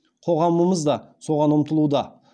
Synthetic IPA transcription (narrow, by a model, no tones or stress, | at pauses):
qʰo̞ʁɑməməzd̪ɑso̞ʁɑnʊmt̪əlˠud̪ɑ